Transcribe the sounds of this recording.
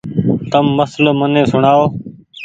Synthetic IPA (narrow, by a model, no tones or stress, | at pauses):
t̪əmːəsloːmənẽːsʊɳaːoː